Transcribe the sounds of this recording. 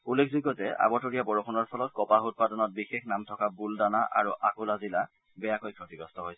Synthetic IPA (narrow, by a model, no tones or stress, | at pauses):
ulːekʰzuɡɔtɛa̰bɔtoɹijabɔɹoxʰɔnɔɹpʰɔlɔt̚kɔpaɦut̚padɔnɔt̚bixexnamtʰɔkabuldanaʔa̰ɹuʔakulazila | bɛjakojkʰɹotiɡɔstɔɦojsɛ̥